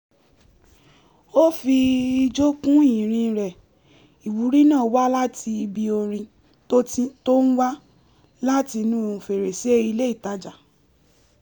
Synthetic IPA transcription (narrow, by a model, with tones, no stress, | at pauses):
o˦fi˧i˧d͡ʒo˦kũ˦i˦˨ɾ̃ĩ˧ɾɛ˨ | i˨wu˨˦ɾi˦nã˦˨˦wa˦la˦ti˧i˧bi˧o˧ɾ̃ĩ˧ | to˦i˦to˦n̩˦wa˦ | la˦ti˧nũ˦˨˧fe˨ɾe˨se˦i˧le˦i˦˨ta˨˦d͡ʒa˨